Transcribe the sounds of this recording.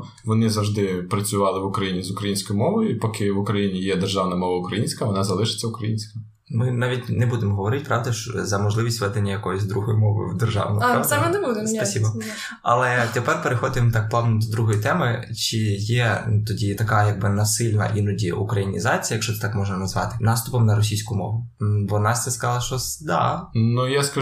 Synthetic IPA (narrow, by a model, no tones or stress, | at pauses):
ʋɔnɪzɐwʒd̪ɪpɾɐt͡sʲʊʋɑlˠɪʋʊkɾɐjinʲizʊkɾɐjinʲsʲkɔjʊmɔʋɔjʊipɔkɪʋʊkɾɐjinʲijɛd̪erʒɑwnɐmɔʋɐʊkɾɐjinʲsʲkɐʋɔnɑzɐlˠɪʃɪ̥t͡sʲːɐʊkɾɐjinʲsʲkɪm | mɪnɑʋʲitʲnɛbud̪ɪmɦɔʋɔɾɪtʲpɾɑʋd̪ɐʃzɐmɔʒlˠɪʋʲisʲtʲʋɛd̪enʲːɐjɐkɔjʊsʲd̪ɾuɦɔjʊmɔʋɔ̰jʊ̰d̪erʒɑ̰ʋnɔ̰j̪ɛmɪnɛbud̪espɐsʲibɐ | ɐ̰lˠɛt̪epɛrpeɾɪxɔd̪ɪmt̪ɑk̚plˠɑʋnʊd̪ɔd̪ɾuɦɔjit̪ɛmɪ | t͡ʃɪjɛt̪ɔdʲit̪ɐkɑjɐɡ̚bɪnɐsɪlʲnɐ̰ʔinʊdʲiʔṵkɾɐjinʲḭzɑt͡sʲijɐjɐkʃt͡ʃɔt̪ɛt̪ɑkmɔʒnɐnɐzʋɑt̪ɪnɑst̪ʊpɔmnɐɾɔsʲijsʲkʊmɔ̰ʋʊbɔnɑsʲt̪ɛskɐzɑlˠɐʃt͡ʃɔsd̪ɑ̰nujaskɐ